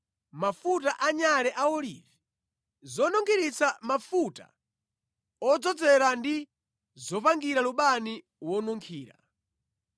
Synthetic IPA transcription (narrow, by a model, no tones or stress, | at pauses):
mafutaʔaɲalɛʔaɔlḭvi | zɔnɔŋkʰiɾit͡samafuta̰ | ɔd͡zɔd͡zɛɾandi | zɔpaŋɡiɾaluɓani | wɔnuŋkʰiːɾa̰